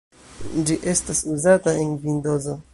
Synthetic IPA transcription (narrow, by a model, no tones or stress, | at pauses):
d͡ʒiʔe̞stasuzataenvindozo